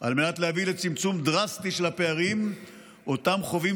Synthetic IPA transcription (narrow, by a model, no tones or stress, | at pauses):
ʔalmenat̪lehavilet͡simt͡sumd̪ʁast̪iʃe̞lhapeaʁim | ʔo̞tamχo̞vi